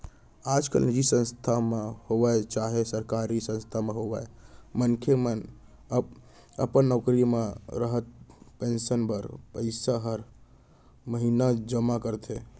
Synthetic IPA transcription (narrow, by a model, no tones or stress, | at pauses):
ad͡ʒka̰lnid͡ʒisə̃nst̪ʰamehobat͡ʃaɦesəɾkaɾisə̃nst̪ʰameɦobaemənkʰemən | ə̰pənːɔkɾimeɾəɦət̪̚pensənbəɾpəɪsaɦəɾ | məɦinad͡ʒəmakəɾt̪ʰe